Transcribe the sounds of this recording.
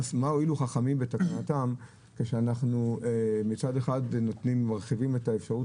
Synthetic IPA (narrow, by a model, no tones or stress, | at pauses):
smaoiluχaχamimbe̞takanatam | keʃeanaχnuemit͡sade̞χadnot̪nimːaʁχivime̞taefʃaʁu